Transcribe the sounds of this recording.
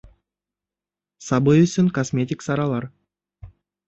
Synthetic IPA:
sɑbɯjʏsʲɪnkosmʲet̪ʲiksɑɾɑlˠɑɾ

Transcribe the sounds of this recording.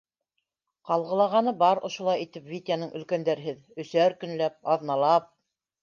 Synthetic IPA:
qɑlˠʁɤ̆lˠɑʁɑnɤbɑɾŏ̰ʃŏlˠɑjit̪ɘpvʲit̪ʲanɤɴʔɵ̆lkænd̪æɾɘɦɘð | ɵ̆sæɾkɵ̆nlæp̚ɑðnɑlˠɑp̚

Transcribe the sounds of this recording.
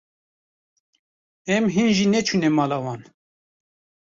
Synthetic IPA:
ɛmɦinʒinɛt͡ʃʰunɛmɑːlawɑn

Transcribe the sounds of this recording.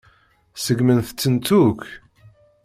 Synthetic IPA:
səɡmənθət͡sːənt͡s̪uk

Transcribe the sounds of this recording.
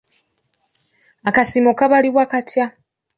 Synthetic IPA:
akasimokaβaliβwakatja

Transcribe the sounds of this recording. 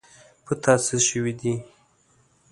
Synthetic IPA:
pʰət̪ʰɑsɪʃəwid̪i

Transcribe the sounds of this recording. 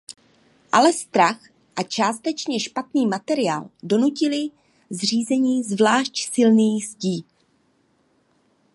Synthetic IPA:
ʔalɛst̪ɾax | ʔat͡ʃaːst̪ɛt͡ʃɲɛʃpat̪niːmat̪ɛɾɪaːldo̞nucɪlɪ | zr̝iːzɛɲiːzvlaːʃcsɪlniːzciː

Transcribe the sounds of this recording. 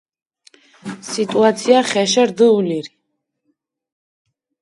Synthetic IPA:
sit̪ʼuat̪sʰiaχɛʃaɾd̪əuliɾi

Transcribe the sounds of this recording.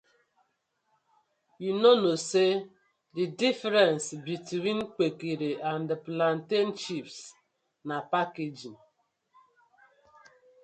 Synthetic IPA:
junonose | didifɾɛnsbitwin̩k͡pekiɾeʔandplan̩ten̩t͡ʃips | napaked͡ʒin

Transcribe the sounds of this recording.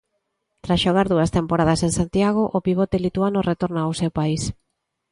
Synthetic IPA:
t̪ɾasʃoɣ̞aɾðuɐst̪empoɾað̞ɐseŋsant̪jaɣ̞oʔopiɣ̞ot̪elit̪uanoret̪oɾnaːwsewpais

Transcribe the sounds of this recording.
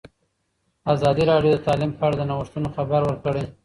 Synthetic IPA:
azɑd̪iɾɑɖjod̪ət̪ɑlimpəaɽad̪ənaɣʊʂt̪unoxabaɾwəɾkəɽaj

